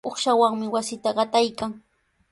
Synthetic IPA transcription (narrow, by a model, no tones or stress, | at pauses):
oχʃawaŋmɪwasɪt̪aɢɑt̪ajkaŋ